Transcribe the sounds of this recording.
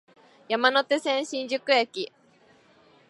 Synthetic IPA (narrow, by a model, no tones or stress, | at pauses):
jamano̞t̪e̞sẽ̞ɰ̃ɕĩɲd͡ʑɨkɯ̟ekʲi